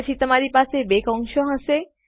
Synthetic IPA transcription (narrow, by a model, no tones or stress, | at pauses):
t͡ɕʰit̪omaɾipasebekɔŋʃoɦase